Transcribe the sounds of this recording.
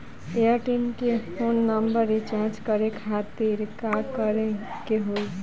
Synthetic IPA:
eəʈimkepʰonːəmbəɾet͡ʃaɾd͡ʒkʌɾekʰat̪iɾkakəɾekeɦoj

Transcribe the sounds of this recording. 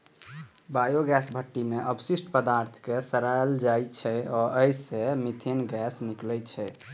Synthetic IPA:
bajoɡɛsbʱəʈːimeʔəbsisʈpəd̪aɾt̪ʰkesəɾajld͡ʒajt͡ʃʰɛɔɾʔəjsemit̪ʰinɡɛsniklɛt͡ʃʰɛ

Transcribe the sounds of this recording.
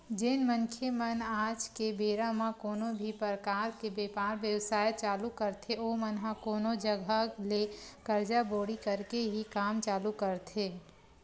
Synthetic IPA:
d͡ʒenməŋkʰjemənaːd͡ʒkebeːɾamãkoːnobʱipəɾkaːɾkebeːpaːɾʋjəwsaːjət͡ʃaːlukəɾt̪ʰeomənɦãkoːnod͡ʒəɡʱəlekəɾd͡ʒaboːɽikəɾkeɦikaːmt͡ʃaːlukəɾt̪ʰe

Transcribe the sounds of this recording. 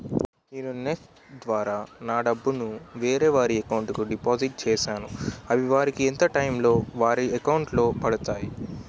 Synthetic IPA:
neːnuneksʈ | d̪ʋaːɾaːnaːɖɐbːunuʋeːɾeːʋaːɾiɐkɐwuɳʈkuɖipaːziʈ̚t͡ʃɛːʃaːnuɐʋiʋaːɾikient̪ɐʈɐjmlo̞ːʋaːɾiɐkɐwɳʈlo̞ːpɐɽut̪aːji

